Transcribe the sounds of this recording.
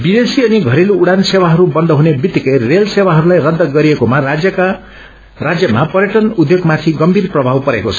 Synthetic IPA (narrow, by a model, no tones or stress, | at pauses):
bid̪esiʌniɡʱʌɾeluːɽansewaɦʌɾubʌnd̪ʱʌɦunebit̪ːikʌjrelsewaɦʌɾulajrʌd̪ːʌɡʌɾiekomaad͡zjʌka | rad͡zjʌmapʌɾjeʈʌnud̪joɡmat̪ʰiɡʌmbʱirprʌbʱawpʌɾḛkot͡sʰʌ̥